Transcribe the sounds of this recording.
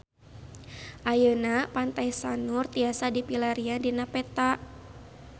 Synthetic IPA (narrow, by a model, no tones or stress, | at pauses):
ʔajənapant̪ajsanʊrt̪iasadipilaɾiadinapɛt̪aʔ